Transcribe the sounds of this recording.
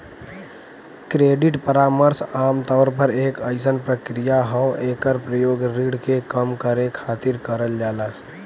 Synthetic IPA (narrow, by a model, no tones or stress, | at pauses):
kɾeːɖɪʈpəɾaːməɾsaːmt̪ɔːɾpəɾeːkəɪsənpɾəkɾijaɦɔːeːkəɾpɾəjoːɡɾiːɽkekəmkəɾekʰaːt̪ɪɾkəɾəld͡ʒaːlaː